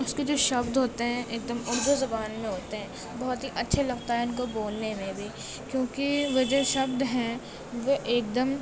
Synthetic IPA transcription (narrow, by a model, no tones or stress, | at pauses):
ʊsked͡ʒoːʃɐbd̪ɦoːt̪eɦɛ̃ʔeːk̚d̪əmʊɽd̪ʱuzɐbaːnmẽɦoːt̪eɦɛ̃ː | bɐɦɔt̪ɦiʔɐtːʃʰelɐɡt̪aɦɛɪnkoboːlnemẽbʱi | kjõːkiʋɐd͡ʒəʃɐbd̪ɦɛ̃ | ʋoʔeːk̚d̪əm